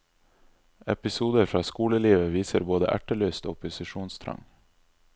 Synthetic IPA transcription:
ɛpɪsuːd̪əɾfɾɑːskuːləliːʋəʋiːsəɾboːd̪ə̰ʔæ̰ʈəløːst̪o̰ːpʰʊsɪʃuːnst̪ʰɾɑ̰ŋ

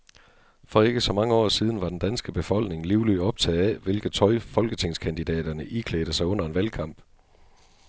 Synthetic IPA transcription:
fɒ̽e̝ɡ̥əsɒ̽mɑ̈ŋəɒ̰ːsiːð̞ˠn̩ʋɑ̈d̥end̥ænsɡ̥əb̥e̝fɒ̽l̰ɡ̥ne̝ŋliʊlyɒ̽b̥̚t͡sʰɛ̰ːð̩ˠæʋe̝lɡ̥ð̩ˠt͡sʰɒ̽ɪfɒ̽lɡ̥ət͡sʰe̝ŋ̰skʰænd̥id̥ɛ̰ːd̥ɐnəʔikʰleːd̥əsɑ̈ɪɔ̽n̰ɐe̝nʋælkʰɑ̈m̰b̥

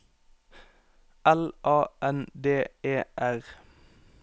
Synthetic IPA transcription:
ɛlʔɑːʔɛnd̪eːeːʔæʁ

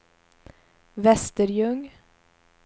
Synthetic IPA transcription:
vɛst̪əɾjɵŋ

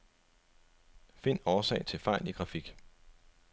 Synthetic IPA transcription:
fe̝n̰ɒːsɛ̰ɪt͡sʰe̝lfɑ̈ɪ̰liɡ̥ʁɑ̈fiɡ̥

